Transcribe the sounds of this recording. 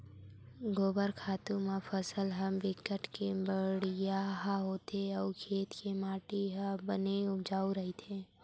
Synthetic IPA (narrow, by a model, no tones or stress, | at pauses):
ɡoːbəɾkʰaːt̪ũmepʰəsəlɦəmbɪkəʈkebəɽijaɦaɦoːt̪eɔːkʰeːt̪kemaːʈiɦəbəneʊd͡ʒaːuɾəɦit̪ʰẽː